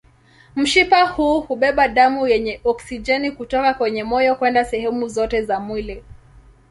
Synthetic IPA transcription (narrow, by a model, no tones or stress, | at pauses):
m̩ʃipahuːhuɓɛɓaɗamujɛɲɛʔɔksid͡ʒɛnikutɔkakwɛɲɛmɔjɔkwɛndasɛhɛmuzɔtɛzamwili